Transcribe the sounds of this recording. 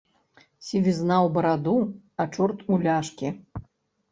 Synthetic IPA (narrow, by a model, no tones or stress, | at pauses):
sʲivʲiznawbɐɾad̪uat͡ʂɔrt̪ulʲaʂkʲi